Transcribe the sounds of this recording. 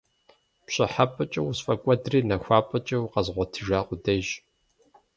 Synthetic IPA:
pɕʼɪħapʼɨt͡ʃʼɐwsfʼɐkʷʼɔdriːnɐxʷaːpʼɐt͡ʃʼɐwqɐzʁʷɔtʰɨʒaːqʷʊdɐʒ

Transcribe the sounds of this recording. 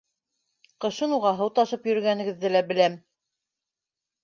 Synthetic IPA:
qɤ̆ʃɤnuʁɑɦɤwt̪ɑʃɤpjɵ̆ɾɵ̆ɡænɘ̆ɡɘ̆ðːɘlæbɘ̆læm

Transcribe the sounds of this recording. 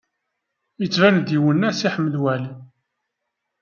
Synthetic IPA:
jət͡sːvænd̪iwənːæsiħəmːəlwæl

